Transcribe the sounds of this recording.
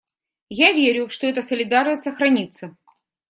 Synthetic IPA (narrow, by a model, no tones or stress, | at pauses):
javʲeɾʲʊʂt̪oɛt̪əsəlʲɪd̪arnəsʲtʲsəxɾɐnʲit̪sə